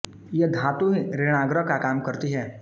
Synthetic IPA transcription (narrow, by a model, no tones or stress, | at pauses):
jed̪ʱãːt̪õɦiɾɪɽ̃aːɡɾəkakaːmkɐɾt̪iɦɛː